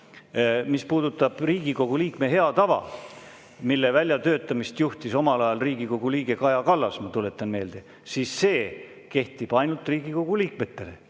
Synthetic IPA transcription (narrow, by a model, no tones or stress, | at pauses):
mispuːd̪ut̪ːˑɑb̥riːɡ̥iko̞ɡ̥uliːkme̞ɦe̞ɑt̪ɑvɑ̰ | milːe̞vælʲjɑt̪ø̞ːt̪ːˑɑmist̪juht̪iso̞mɑlɑjɑlriːɡ̥iko̞ɡ̥uliːɡ̥e̞kɑjɑkɑlːɑsmɑt̪ule̞t̪ːˑɑnme̞ːld̪̥e̞ | siːsːe̞ː | ke̞ht̪ˑib̥ɑjnult̪riːɡ̥iko̞ɡ̥uliːk̚me̞t̪ːˑe̞lḛ